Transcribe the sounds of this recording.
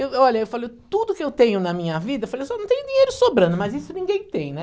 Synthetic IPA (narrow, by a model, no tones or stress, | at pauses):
ewɔʎɐewfalejt̪ud̪ʊkɪewt̪ẽɲʊnɐmĩɲɐvid̪ɐewfalejsɔnɐ̃w̃t̪ẽj̃ʊd̪iɲejɾʊsobɾɐ̃d̪ʊmɐzisʊnĩɡẽj̃t̪ẽj̃nɛ